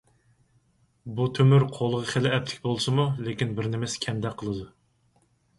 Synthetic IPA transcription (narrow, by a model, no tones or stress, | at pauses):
but̪ʰømyɾqʰolˠəʁəχelɪɛp̚t̪ʰɪ̥kʲbolˠsɨmulekʲinbɪɾnɪmɪsɪ̥kʲʰɛnd̪ɛkʲqʰːəlˠɨd̪u